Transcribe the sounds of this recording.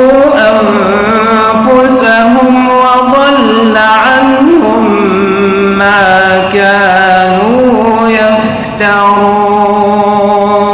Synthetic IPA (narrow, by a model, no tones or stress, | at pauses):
ʔam | fʊsaɦʊm | wɑd̪ˤɑlː | aʕanhʊmː | aː | kaː | nuː | ja | f | t̪ahu